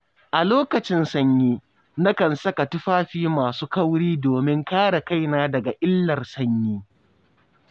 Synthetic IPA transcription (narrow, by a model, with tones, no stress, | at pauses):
ʔa˨loː˦kɐ˨t͡ʃɪ˦nsɐ˦ɲjiː˦ | nɐ˦kɐ˨nsɐ˦ka˨tʊ˦ɸaː˦ɸiː˦maː˨suː˦kɐ˦wɽiː˦doː˨mɪ˦ŋkaː˦ɽa˨ka˦˨jnaː˦dɐ˨ɡa˨ʔɪ˦lːɐ˨rsɐ˦ɲjiː˦